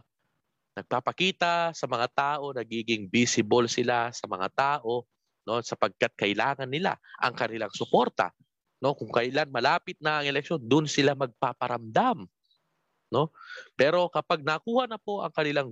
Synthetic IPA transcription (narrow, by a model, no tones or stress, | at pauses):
nɐɡ̚papɐkiːt̪ɐsɐmɐŋat̪aːʔo̞nɐɡiːɡɪŋbiːsɪbolsɪlasɐmɐ̰ŋa̰t̪aːʔo̞ | no̞sɐpɐɡ̚kat̪̚kɐʔɪlaːŋɐnːɪla̰ʔɐ̰ŋkɐnɪlaŋsʊko̞ɾt̪ɐ̰ | no̞kʊŋkɐjlanmɐlaːpɪt̪̚nɐʔɐŋɛlɛk̚ʃo̞nd̪ʊnsɪlamɐɡ̚papɐɾɐmd̪am | no̞pɛːɾo̞kɐpaɡ̚nɐkuːhɐnɐpo̞ʔɐŋkɐnɪlaŋ